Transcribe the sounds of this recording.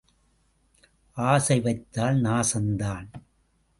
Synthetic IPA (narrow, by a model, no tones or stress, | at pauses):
ʔaːsɐɪʋɐɪt̪ːaːlnaːsɐnd̪aːn